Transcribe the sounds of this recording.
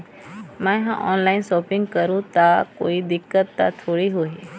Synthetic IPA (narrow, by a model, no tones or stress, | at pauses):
mãɦã̰ʔɔːnlaɪnsɔːpɪ̃ŋɡkəɾũt̪ako̰ːid̪ɪkːət̪ːa̰t̪ʰoːɽiɦoi